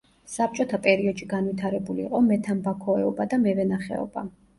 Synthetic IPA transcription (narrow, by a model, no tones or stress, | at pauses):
sap̚t͡ʃʼɔt̪ʰapʼɛɾiɔd̪ʃiɡanvit̪ʰaɾɛbuliːqʼɔmɛt̪ʰambakʰɔɛɔbad̪amɛvɛnaχɛ̰ɔ̰ba̰